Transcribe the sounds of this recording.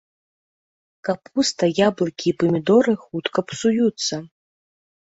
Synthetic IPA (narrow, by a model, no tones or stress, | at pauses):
kapːust̪ɐjablˠɨkʲiːpɐmʲid̪ɔɾɨxut̪kɐpsujut̪sːɐ